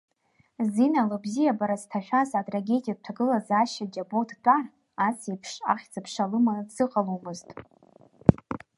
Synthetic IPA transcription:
zinalɨbzijabaɾaztʰaʃᶣazatʼraɡʲe̞dʼijak̚ʷtʰaɡɨlazaʃad͡ʒabotʰdʷʼar | asipʰʂa̰χʲt͡sʼɨpʰʂalɨmadz̥ɨqʼalomɨztʼ

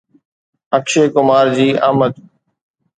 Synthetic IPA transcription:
əkʃeːkʊmaːɾd͡ʑiːʔa̰ːmət̪

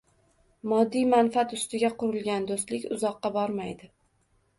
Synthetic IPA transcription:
mɒd̪ːijmanfat̪ʊst̪ɪɡʲaqʰʊɾɪlˠɡʲand̪ost̪lɪkʲʊzɒqːɑbɒɾmajd̪ɪ

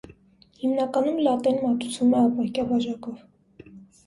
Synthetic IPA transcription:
himnɑkɑnumlɑt̪ɛnmɑt̪u̥t͡sʰumɛɑpɑjkjɑbɑʒɑkɔv

